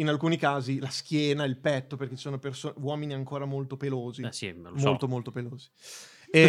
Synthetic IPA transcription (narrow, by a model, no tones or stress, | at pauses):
inalkuːnikaːzilask̟ʲjɛːnailpɛt̪ːoperk̟essoːnopersoːnwɔːminiaŋkoːɾamolt̪opeloːzisḭn̰nmmolt̪omolt̪opeloːzi